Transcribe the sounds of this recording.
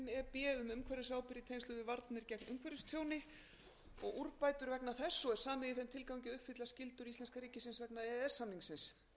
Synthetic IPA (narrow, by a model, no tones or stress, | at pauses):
nɛɾpɛːʏmʏmkʰvɛɾɪsaːwpɪɾit̪ʰejnsʏːðɪvaɾt̪nɪɾcɛknʔʏmkʰvɛɾʏst̪ʰjoːwnɪ | ɔɣuɾpaːjt̪ʏɾvɛknaθɛsːɔɛɾ̥saːmɪðɪθɛmt̪ʰɪlkawiɲcɪʏhpfɪt̪lascɪlt̪ʏɾist̪ɛnskaɾiːcɪsɪnsvɛknaɛɛsːamniŋsɪns